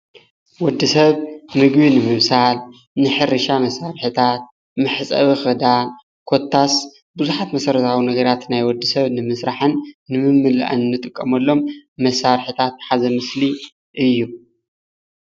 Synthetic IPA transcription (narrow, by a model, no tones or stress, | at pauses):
wɔd̪ːisɐβmɨɡbinɨmɨβsal | nɨħɨɾɨʃamɐsːaɾħit̪ʰat̪̚ | mɨħt͡sʼɐ̰βixɨd̪a | kʰo̞t̪ʰːas | bɨzuħat̪mɐsɐɾɐt̪ʰawinɐɡɐɾat̪najwɔd̪ːisɐβnɨmɨsɾaħɨnːɨmɨmːɨlʔa̰nnːɨt̪ʼɨkʼːɐmɐlːo̞mːɐsaɾħit̪ʰat̪ħazɐmɨsli | ʔɨjːu